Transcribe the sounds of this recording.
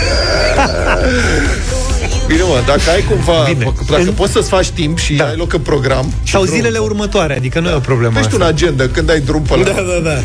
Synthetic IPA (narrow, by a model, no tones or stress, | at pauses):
bineməd̪akəajkumvabine | d̪aəpo̞t̪səsfat͡ʃʲt̪impʃiajlo̞kɨnpɾo̞ɡɾam | ʃsawzile̞le̞urmət̪oaɾead̪ikənujeopɾobleməeʃt̪ʲunad͡ʒe̞nd̪əkɨnd̪ajd̪ɾumpəld̪ad̪ad̪a